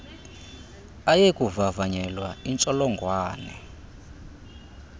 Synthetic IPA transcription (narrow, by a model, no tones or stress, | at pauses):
ajekuvavaɲɛlwaint͡ʃʼɔlɔŋɡwaːnɛ̰